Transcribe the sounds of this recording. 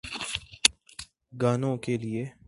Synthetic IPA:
ɡaːnõkelie

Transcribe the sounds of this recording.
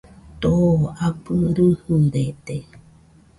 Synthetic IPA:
t̪oapɨɾɨhɨɾet̪e

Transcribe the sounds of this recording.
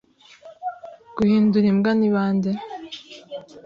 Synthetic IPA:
ɡ̥uhiːnduɾimɡaniβaːnde

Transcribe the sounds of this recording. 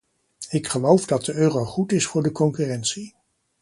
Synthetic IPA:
ɪkχəlowvdɑt̚dəøːrowχutɪsfʊːɹdəkɔŋkyrɛntsi

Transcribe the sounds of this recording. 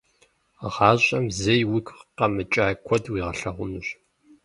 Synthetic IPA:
ʁɑːɕʼɐmzɐjwikʰʷqɐmɨt͡ʃʼaːkʷʰɔdwiːʁɐɬɐʁʷʊnɨɕ

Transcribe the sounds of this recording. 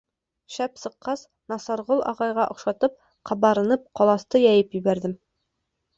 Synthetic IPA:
ʃæpsɤ̆qːɑs | nɑsɑɾʁolˠʔɑ̰ʁɑjʁɑʔŏχʃɑt̪ɤp̚ | qʰɑbɑɾɤ̆nɤp̚qɒlˠɑst̪ɤjɑjɤpjɵ̆bæɾd̪ɘm

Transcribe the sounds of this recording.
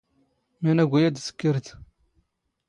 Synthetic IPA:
mænæɡʷæjæd̪sə̥kːəɾt̪

